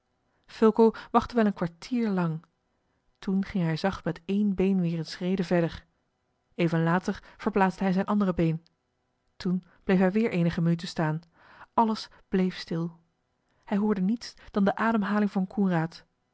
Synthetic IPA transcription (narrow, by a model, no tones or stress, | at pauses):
fɪlˠkowʋɑχtəʋɛlˠənkʋaɹtʰiːɹlɑŋ | tunχɪŋɦɛjzɑχtmɛtejnbejnʋɪːrənsrejdəvɛɹdəɹ | eːjvənlaːtəɹv̥əɹplaːtzd̥əɦɛjzɛjnʔɑndərəbejn | tun | b̥lejfɦɛjʋɪːɹʔejnəχəmənyt̬əstaːn | ʔɑləs | b̥lejfstɪlˠ | hɛjɦʊːɹdənitsd̥ɑndəʔaːdəmɦaːlɪŋvɑnkʰɔnraːt